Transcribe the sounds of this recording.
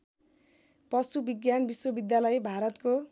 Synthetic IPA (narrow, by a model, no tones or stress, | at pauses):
pʌsubiɡjanbiswʌbid̪jalʌjbʱaɾʌt̪ko